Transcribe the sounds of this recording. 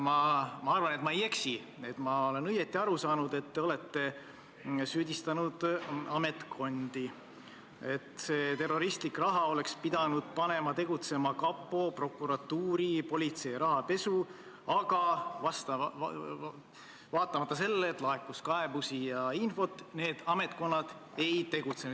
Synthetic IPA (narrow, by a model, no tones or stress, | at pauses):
mɑmɑɑrvɑne̞t̪mɑeje̞ksi | e̞t̪mɑo̞le̞nɤjet̪ːˑiɑɾusɑːnud̪e̞t̪ːeo̞le̞t̪ːe̞ | syːd̪̥ʲist̪ɑnud̪̥ɑme̞t̪kʰo̞nd̪̥i | e̞t̪se̞ːt̪e̞ro̞ɾist̪likrɑɦɑo̞le̞kspid̪̥ɑnud̪̥̚pɑne̞mɑt̪e̞ɡut̪se̞mɑkɑpːˑo̞pro̞kːˑuɾɑt̪ːuːɾipo̞lʲit̪se̞jɾɑɦɑpe̞su | ɑɡ̥ɑvɑst̪ɑ | vɑːt̪ːˑɑmɑt̪ːɑse̞lːeːt̪ˑlɑekːˑuskɑebusijɑinfo̞t̪ːˑne̞ːd̪̥ɑme̞t̪ko̞nːɑd̪̥e̞jt̪e̞ɡ̥ut̪se̞nu